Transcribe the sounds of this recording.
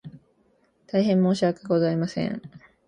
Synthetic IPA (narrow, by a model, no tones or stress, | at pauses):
t̪aiɦẽ̞mːo̞ːɕiβakɯɡo̞zaimasẽ̞̰ŋ